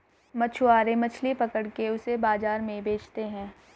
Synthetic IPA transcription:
mɐt͡ʃʰʊaːɾemɐt͡ʃʰlipɐkəɽkeʊsebaːzaːɾmẽbeːt͡ʃt̪eɦɛ̃ː

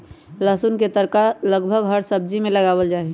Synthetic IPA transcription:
ləsunket̪əɾkaləɡbʱəɡɦəɾsəb̚d͡ʒimẽləɡaːwəld͡ʒaːe

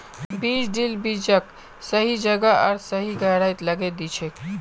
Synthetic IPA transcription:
bit͡ʃɖilbid͡ʒək | səɦid͡ʒəɡəə̰ɾsəɦiɡəɾajt̪ləɡed̪it͡ʃʰek

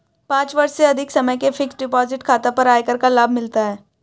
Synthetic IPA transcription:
pãːt͡ʃʋɐɾseɐd̪ʱɪksɐməjkefʰɪksɖɪpɔːzɪʈkʰaːt̪apɐɾaːekɐɾkalaːb̚ʱmɪlt̪aɦɛː

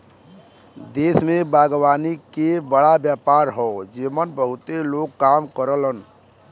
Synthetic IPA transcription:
d̪eːsmẽbaːɡwaːnikebəɽabjaːpaːɾɦɔd͡ʒɪmənbəɦʊt̪eloːɡ̚kaːmkəɾələn

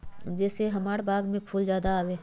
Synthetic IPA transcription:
d͡ʒɛːseɦɐmaːɽbʱaːɡmẽpʰuːld͡ʒjaːd̪aaːweː

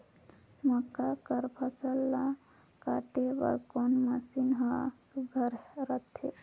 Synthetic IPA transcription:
mɔkːakəɾpʰəsəlːa | kaʈebə̰ɾkonməsinɦə̃suɡʱəɾɾət̪ʰḛ

